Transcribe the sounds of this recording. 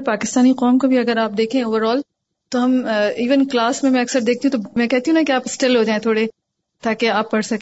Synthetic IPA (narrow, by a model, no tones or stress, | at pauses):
paːkɪst̪aːniqɔːmkobʱiɐɡəɾaːp̚d̪eːkʰẽoːʋəɾɔːl | t̪oɦɐmiːʋənklaːsmẽmɛ̃ɐksəɾd̪eːkʰt̪iɦũt̪omɛ̃kɛɦt̪iɦũnakeaːpɪsʈɪlɦod͡ʒaːẽt̪ʰoːɽe | t̪aːkeaːpːɐɽsɐkː